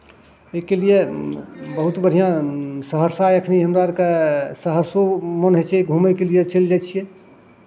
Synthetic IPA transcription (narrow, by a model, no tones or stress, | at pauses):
ekelije | bəɦut̪bəɽ̤ʱijãsəɦəɾsaeəkʰniɦəmɾakesəɦəɾsomənɦet͡ʃʰɛɡʱumɛkelijet͡ʃeld͡ʒajt͡ʃʰijẽ